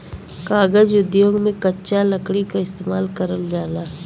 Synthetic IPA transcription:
kaːɡəd͡ʒʊd̪joːɡmẽkɐtːʃaləkɽikaɪst̪eːmaːlkəɾəld͡ʒaːlaː

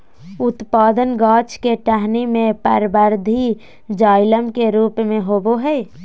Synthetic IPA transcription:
ʊt̪paːd̪ənɡaːt͡ʃkeʈəɦnimẽpəɾbəɾd̪ʱi | d͡ʒaːɪləmkeɾuːpmẽɦoːboɦɛː

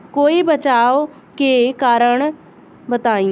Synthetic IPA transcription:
koːibət͡ʃaːo | kekaːɾəɳ | bət̪aːi

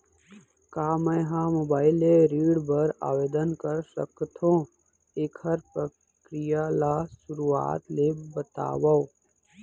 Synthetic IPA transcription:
kaːmə̃ɦãːmoːbaːɪleɾiːɖbɐɾa̰ːʋeːd̪ənkɐɾsə̰kt̪ʰõː | eːkʰhɐɾpɾə | kɾɪjalaːsʊɾua̰ːt̪leːbət̪a̰ːwao

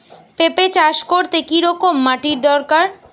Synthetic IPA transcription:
pepet͡ɕaʃkoɾt̪ekiɾɔkomːaʈiɾd̪ɔɾkaɾ

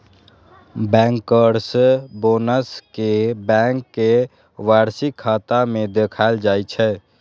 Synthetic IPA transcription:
bɛ̃ːŋkːəɾsboːnəskebɛ̃ːŋkːe | ʋaːɾsikʰːaːt̪amẽd̪eːkʰaːɪld͡ʒaːit͡ʃʰɛː

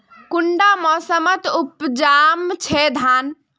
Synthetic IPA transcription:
kuɳɖamɔsəmət̪upd͡ʒamt͡ʃʰɛd̪ʱan

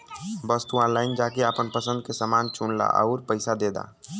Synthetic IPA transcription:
bəst̪uãnlaːɪnd͡ʒaːkeaːpənpəsə̃nd̪̚kesəmaːnt͡ʃunla̰ʔə̰ʊɾpəɪsad̪eːd̪a̰ː

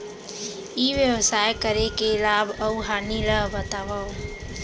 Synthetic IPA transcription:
iʋjəwəsajkəɾekelabəwɦaniɾəɦbət̪abaw

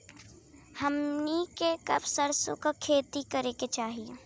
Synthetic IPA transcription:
hɐmnikekɐbsɐɾsõ̰kakʰeːt̪ikɐɾeːket͡ʃaːɦijeː

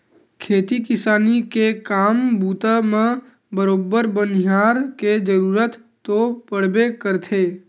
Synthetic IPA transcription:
kʰeːt̪ikɪsaːnikekaːmbuːt̪amẽ | bəɾoːbəɾbənjaːɾked͡ʒəɾuːɾət̪ːopəɽ̤bekəɾt̪ʰeː

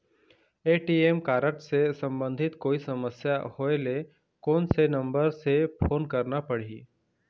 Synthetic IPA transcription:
eːʈiːemkaːɾəʈsesə̃mbə̃nd̪ʱɪt̪koːisɐməsjahoːele | koːnsenə̃mbəɾsepʰoːnkəɾnapəɽ̤iː

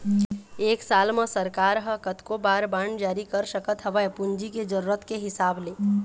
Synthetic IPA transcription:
eːksaːlmãsɐɾkaːɾɦəkət̪kobaːɾbaːɳɖd͡ʒaːɾikɐɾʃəkət̪ɦɐʋəɛpʊɲd͡ʒiked͡ʒɐɾuːɾət̪keɦɪsaːbleː

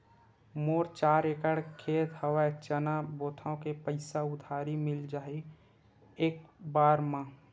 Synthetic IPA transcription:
moːɾt͡ʃaːɾekəɽkʰeːt̪həwat͡ʃənaboːt̪ʰaõkepəɪsaʊd̪ʱaːɾimɪld͡ʒaːi | eːk̚baːɾmã

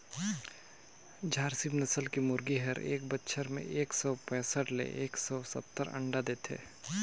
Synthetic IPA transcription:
d͡ʒʱaːɾsibnəsəlkimʊɾɡiɦəɾḛːkbətːʃʰəɾmḛ̃ʔeːksɔːpɛ̃ːsəʈlḛʔeːksɔsə̰pt̪ːəɾə̰̃ɳɖad̪eːt̪ʰḛː

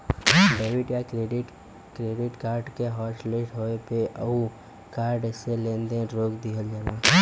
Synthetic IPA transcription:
ɖeːʋɪʈjakɾeːɖɪʈ | kɾeːɖɪʈkaːɾɖkeɦɔːsʈleːʈɦoːepeʔə̰u | kaːɾɖselẽːnd̪ẽɾoːkd̪iɦəld͡ʒaːnaː

